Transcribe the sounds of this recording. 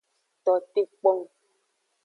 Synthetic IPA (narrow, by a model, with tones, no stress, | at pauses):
t̪ɔ˨te˦k͡pɔ˦˨ŋ